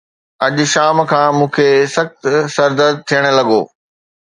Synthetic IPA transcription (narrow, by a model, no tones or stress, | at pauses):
ɐʄʊʃaːmkʰãːmũːkʰeːsɐxt̪sɐɾd̪əd̪̚t̪ʰijəɽ̃̆lɐɠoː